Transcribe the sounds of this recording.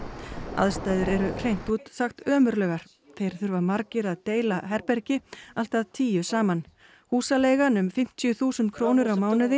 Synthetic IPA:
a̰ðst̪aːjðɪɾɛɾʏr̥ejn̥t̪uːt̪saxt̪œːmʏɾlœɣaɾ̥ | θejɾ̥θʏɾvamaɾcɪɾaðt̪eːjlaɦɛɾpɛɾcɪal̥t̪aðt̪ʰiːjʏsaːman | huːsaleːjɣanʏmfɪm̥t̪ʰjʏθuːsʏnt̪̚kʰɾoːwnʏɾawmaːwnʏðɪ

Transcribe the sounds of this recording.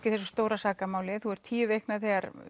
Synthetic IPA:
cɪ̥θɛsːʏ̥st̪oːwɾasaːkamaːwlɪθuɛɾ̥t̪ʰiːʏvehknaðθɛɣaɾ

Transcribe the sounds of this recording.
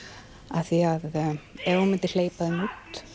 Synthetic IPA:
aθiaðɛɾunmɪnt̪ɪɾleːjpaðɪnut̪

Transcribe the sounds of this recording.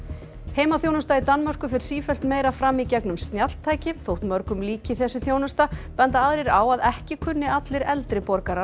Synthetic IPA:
hejmaθjoːwnʏst̪ait̪anːmar̥kʏfɪɾ̥siːfɛlt̪meːjɾafɾamːicɛknʏmst̪njal̥t̪ʰːaːjcɪθowht̪mœɾkʏmliːcɪθɛsːʏθjownʏst̪apɛnt̪aaðɾejɾaːwaðɛhcɪkʰʏnːɪat̪lɪɾɛlt̪ɾɪpɔɾkaɾa

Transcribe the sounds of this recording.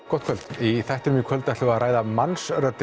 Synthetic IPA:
kɔht̪kʰœlt̪iθɛjht̪ɾʏmikʰvœlt̪aht̪ʏɣaðɾʔaːjðamansrœt̪ː

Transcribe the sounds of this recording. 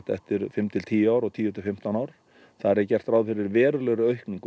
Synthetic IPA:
t̪ɛ̰ht̪ɪɾfɪmt̪ʰɪlt̪ʰiːjaːwɾɔɣt̪ʰiːjɔt̪ʰɪlfɪm̥t̪anaːwɾ | θaðɾɛɾcɛr̥t̪ɾawðfɪɾɪɾvɛːɾʏlœɣɾʏœɥhkniŋk

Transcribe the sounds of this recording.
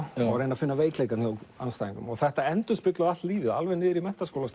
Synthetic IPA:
ɔɣɾejnafɪnːaveːjklejkanjowansaːjĩŋkʏmɔɣθɛht̪aɛnt̪ʏspɪk̪lʏðaht̪liːvɪðalvɛnːɪːðɪɾimɛht̪askowlas

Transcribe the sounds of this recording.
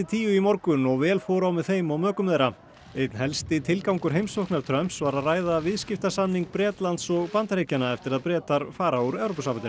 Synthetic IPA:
ɪt̪ʰiːjʏimɔɾkʏnɔɣvɛːlfɔːɾawmɛðθejmawmœːkʏmðejɾa | ejt̪nhɛlst̪ɪt̪ʰɪlkawŋkʏɾ̥ɦejmsɔknaɾt̪ʰɾœmsvaɾaðraːjðavɪðscɪft̪asanːiŋk̚pɾɛːt̪lant̪sɔɣpant̪ɾejcanaɛft̪ɪɾaðpɾɛːt̪aɾ̥faːɾauɾɛwɾowpasampant̪n

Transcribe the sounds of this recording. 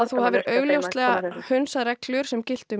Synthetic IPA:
θuhavɪɾʔœːɥɣljowst̪lɛːɣahʏnsaɾɛklʏɾ̥sɛmcɪl̥t̪ʏ

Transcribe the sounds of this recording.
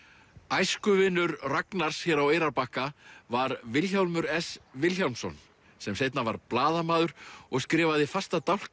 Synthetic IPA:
ajskʏvɪnːʏɾraknaɾ̥sçɛɾaweːjɾaɾpahkavaɾvɪlçawlmʏɾɛsvɪlçjawnsɔ̰n | sɛmsejt̪navaɾplaːðamaːðʏɾ̥ɔɣskɾɛːvaðɪfast̪at̪awl̥k

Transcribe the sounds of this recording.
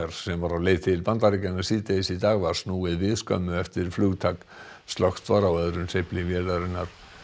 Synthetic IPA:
ɾ̥sɛmvaɾaleːjt̪ʰɪlpant̪aɾicanːasiːt̪esit̪aːɣvaɾ̥snuːɪðvɪðskœ̰mʏɛft̪ɪɾfluːɣt̪ʰak | st̪lɔxt̪vaɾawœðɾʏmsejhplɪvjɛːlaɾɪnːaɾ̥

